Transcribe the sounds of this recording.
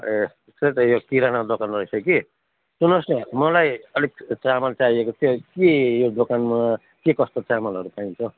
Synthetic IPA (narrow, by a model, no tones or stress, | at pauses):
sʌt̪ʌjokiɾanad̪okanrʌisʌki | sunʌsnʌmʌlajʌlik̚t͡samalt͡saiekot̪ʰiokejod̪okanma | kekʌst̪ot͡samalʌɾupaint͡sʰʌ